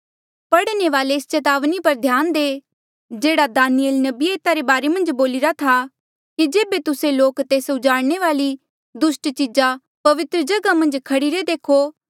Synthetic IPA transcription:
pɐɽneʋaːleːst͡ʃɐt̪aːʋnipɐɾd̪ʱjaːnd̪eː | d͡ʒeːɽad̪aːnɪjelnɐbieːt̪aɾebaːɾemɐ̃nd͡ʒboːlɪɾat̪ʰa | kid͡ʒeːbet̪ʊseloːkt̪eːsʊd͡ʒaːɽɽ̃eʋaːli | d̪ʊsʈt͡ʃɪd͡ʒa | pɐʋɪt̪ɾəd͡ʒɐɡamɐ̃nd͡ʒkʰɐɽiɾed̪eːkʰo

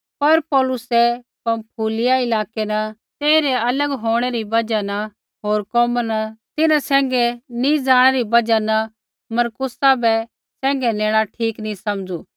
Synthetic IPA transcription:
pɐɾpɔːlʊsɛ | pɐmpʰuːlɪjaɪlaːkenɐ | t̪eːɾeɐləɡɦoːɽ̃ɛɾibɐd͡ʒanɐ | ɦoːɾkɔːmənɐt̪ɪnãsɛ̃ːŋɡɛnĩd͡zaːɽ̃ɛɾibɐd͡ʒanɐ | mɐɾkʊsabɛ | sɛ̃ːŋ̆ɡɛneːɽ̃aʈʰiːknĩsɐmd͡zuː

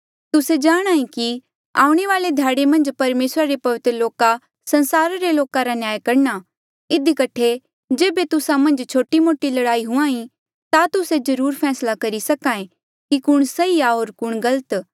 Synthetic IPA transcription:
t̪ʊsed͡ʒaːɽ̃aːĩki | a̰ːũɽ̃eʋaːled̪ʱjaːɽemɐ̃nd͡ʒpɐɾmeːsɾaɾepɐʋɪt̪ɾəloːka | sɐ̃nsaːɾaɾeloːkaɾanjaːjkɐɾna | ɪd̪ikɐʈʰe | d͡ʒeːbet̪ʊsamɐ̃nd͡ʒt͡ʃʰoːʈimoːʈilɐɽaːiɦʊãːĩ | t̪at̪ʊsed͡ʒɐɾuːɾpʰɛːslakɐɾisɐkaːẽ | kikʊɽ̃sɐiaɦoːɾkʊɽ̃ɡɐlət̪

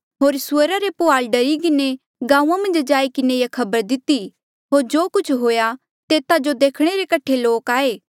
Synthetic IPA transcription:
ɦoːɾsʊəɾaɾepʊaːlɖɐɾik̬ɪne | ɡãːũãmɐ̃nd͡ʒd͡ʒaːikɪnejakʰɐbəɾd̪ɪt̪i | ɦoːɾd͡ʒoːkʊt͡ʃʰɦoːja | t̪eːt̪ad͡ʒod̪eːkʰɽ̃eɾekɐʈʰeloːkaːeː

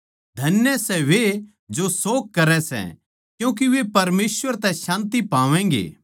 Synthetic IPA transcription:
d̪ʱɐnjəsɛʋe | d͡ʒosoːkkːɐɾɛsɛ̰̃ | kjũːk̬iʋepɐɾmeːsʋəɾt̪ɛ̃ʃãːnt̪ipaːʋɛ̃ːŋ̆ɡḛː

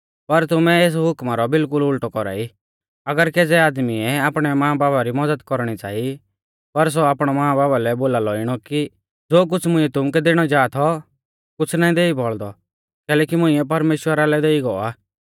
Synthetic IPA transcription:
pɐɾt̪ʊmɛ̃eːs̬ɦʊkmaɾɔbɪlkʊlʊlʈɔkɔɾa̰ːi | ɐɡəɾkeːd͡zɛaːd̪miɛaːpɽ̃ɛmɐãbaːbaɾimɐd͡zəd̪kɔɾɽ̃it͡ʃa̰ːi | pɐɾs̬oaːpɽ̃ɔmaãbaːbalɛboːlalɔɪɽ̃ɔki | d͡zoːk̬ʊt͡sʰmʊ̃ɪ̃ɛt̪ʊmkɛd̪eːɽ̃ɔd͡ʒaːt̪ʰɔ | kʊt͡sʰnaːĩd̪eːibɔɭd̪ɔ | kɛːlɛːkimʊ̃ɪ̃ɛp̬ɐɾmeːʃwəɾalɛd̪eːiɡɔaː

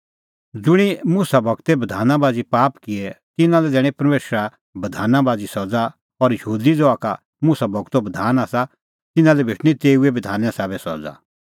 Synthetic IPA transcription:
d͡zʊɽ̃imʊːsabʱɐɡt̪ebɐd̪ʱaːnãbaːd͡zipaːpkɪɛt̪ɪnãlɛd̪ɛːɽ̃ɛ̃pɐɾmeːsɾa | bɐd̪ʱaːnãbaːd͡zisɔd͡za | ɔɾjəuːd̪id͡zɔaka | musabʱɐɡt̪obɐd̪ʱaːnasa | t̪ɪnãlɛbʱɪʈʰñĩt̪eːuebɐd̪ʱaːnɛ̃saːβɛsɔ̰d͡za̰

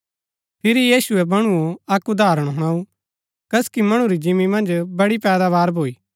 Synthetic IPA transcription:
pʰɪɾijiːsʊɛbɐɽ̃uoɐkʊd̪aːɾəɽ̃ɦʊɽ̃aːu | kɐskimɐɽ̃uɾid͡ʒɪmːimɐ̃nd͡ʒbɐɽipɛːd̪aβaːɾbʱoːiː

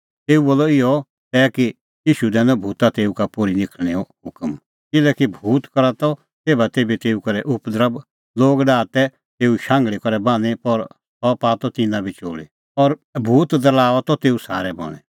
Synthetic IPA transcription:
t̪eːuboːlɔɪjɔ | t̪ɛːki | jiːʃud̪ɛ̃ːnɔbʱuːt̪at̪eːukapoɾinɪkʰɽ̃eɔɦʊkəm | kɪlɛkibʱuːt̪kɔɾat̪ɔ | t̪eːbat̪eːbit̪eːukɔɾɛʔʊpd̪əɾəb | loːɡɖaːt̪ɛ | t̪eːuʃãːŋɡɭikɔɾɛbãːñepɔɾ | sɔpaːt̪ɔt̪ɪnãbʱit͡ʃo̰ːɭḭ | ɔɾbʱuːt̪d̪əlaːɔt̪ɔt̪eːusaːɾɛbɔ̰ɽ̃ɛ

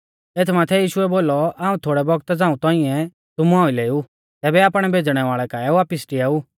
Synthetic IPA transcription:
eːt̪ʰmaːt̪ʰɛjiːʃʊɛboːlɔaːũt̪ʰoːɽɛbɔɡt̪d͡zãːũt̪ɔ̃ːĩɛ̃ | t̪ʊmuãːʊileːu | t̪ɛːbɛaːpɽ̃ɛbʱeːd͡zɽ̃ɛʋaːɭɛkaːɛuʋaːpɪsʈiaːuː

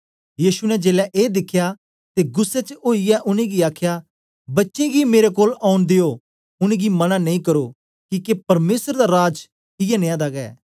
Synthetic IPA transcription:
jiːsunɛd͡ʒeːlɛʔeːd̪ɪkʰːja | t̪eːɡʊsːɛt͡ʃəoːiɛʔʊnẽɡiaːkʰja | bɐtːʃẽɡimeːɾekoːlaːʊnd̪ejo | ʊnẽɡimɐnanɐĩːkɐɾoː | kiːkepɐɾmeːsəɾd̪aɾaːd͡ʒ | ɪjɛnẽːãd̪aɡɛ̰ː

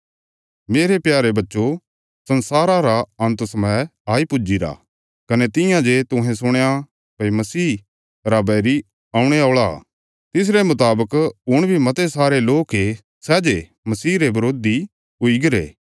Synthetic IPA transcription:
meːɾepjaːɾebɐtːʃo | sɐ̃nsaːɾaɾaɐ̃nt̪sɐməjaːipʊd͡ʒiɾa̰ | kɐnet̪ɪ̃jãd͡ʒet̪ʊ̃ɦẽs̬ʊɽ̃eja | pɐmɐsiː | ɾabɛɾi | aːũɽ̃eaːɭa | t̪ɪs̬ɾemʊt̪aːbəkʊɽ̃bʱimɐt̪esaːɾeloːke | sɛːd͡ʒe | mɐsiːɾebɐɾoːd̪i | ʊiɡɐɾḛː

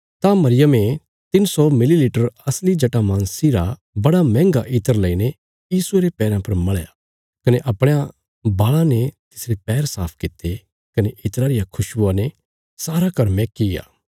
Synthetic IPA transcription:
t̪amɐɾɪjəmẽ | t̪ɪnsɔmɪliliːʈəɾɐslid͡ʒɐʈamãnsiɾa | bɐɽamɛ̃ːŋɡaʔɪt̪əɾlɐine | jiːsueɾepɛːɾãpɐɾmɐɭja̰ | kɐneʔɐpɽ̃ea | baːɭãnet̪ɪsɾepɛːɾsaːpʰkɪt̪ːe | kɐneʔɪt̪ɾaɾɪjakʰʊʃuãne | saːɾakɐɾmẽkɪja̰ː

